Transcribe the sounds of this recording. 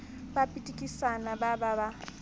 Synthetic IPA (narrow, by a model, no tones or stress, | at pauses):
bapʼitʼikʼisanabababa